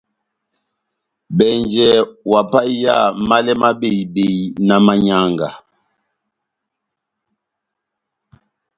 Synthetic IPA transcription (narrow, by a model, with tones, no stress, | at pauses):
bɛ˨nd͡ʒɛ˨wa˨pa˦ja̰˦˨ma˦lɛ˦ma˦be˨i˨be˨jna˨ma˨ɲa˨ŋɡa˨